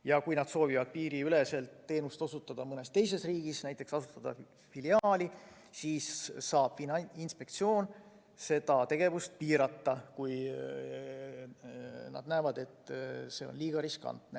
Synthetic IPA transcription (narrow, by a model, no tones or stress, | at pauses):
jɑkujnɑd̪̥so̞ːvivɑd̪̥̚piːɾiyle̞se̞lt̪ːe̞ːnust̪o̞sut̪ːˑɑd̪̥ɑmɤne̞st̪e̞js̬e̞sriːɡ̥isnæjt̪ːˑe̞ksɑsut̪ːɑd̪̥ɑ̰ | filiɑːlʲi | siːsːɑːb̥finɑinspe̞k̚t̪sio̞ːn | se̞d̪̥ɑt̪e̞ɡ̥e̞vust̪̚piːɾɑt̪ːɑkuj | nɑ̰d̪̚næːvɑd̪e̞t̪ːse̞o̞̰nliːɡ̥ɑɾiskɑ̰nt̪ne